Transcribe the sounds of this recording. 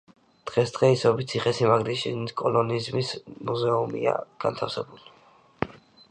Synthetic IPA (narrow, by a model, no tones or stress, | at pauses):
d̪̥ʁɛsd̪̥ʁɛisɔbit̪sʰiχɛsimaɡɾiʃḭnikʼɔlɔnizmismuzɛumḭa̰ɡ̥a̰nt̪ʰafsɛbuli